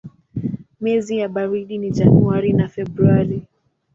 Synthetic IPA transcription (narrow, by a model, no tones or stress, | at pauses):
mɛzijaɓaɾiɗiniʄanuaɾinafɛɓɾuaɾi